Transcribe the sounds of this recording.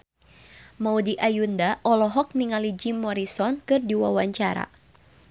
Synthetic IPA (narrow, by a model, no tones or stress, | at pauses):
maudiʔajundaʔɔlɔɦɔk̚niŋalid͡ʒimɔɾisɔnkɨrdiwawaɲt͡ʃaɾa̰